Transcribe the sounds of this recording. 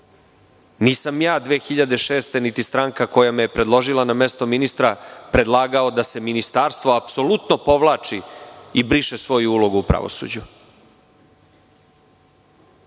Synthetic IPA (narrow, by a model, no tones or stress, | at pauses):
niːsamjaːd̪ʋeːxiʎad̪e̞ʃe̞ːst̪e̞nit̪ist̪ɾaŋkako̞jamejepɾe̞d̪lˠo̞ʒilˠanamest̪o̞minist̪ɾapɾe̞d̪lˠaːɡaod̪ase̞minist̪aːɾst̪ʋo̞apso̞lut̪no̞po̞ʋlaːt͡ʂiibɾiʃesʋo̞juulo̞ɡuupɾa̰ʋo̞̰sṵːd͡ʑu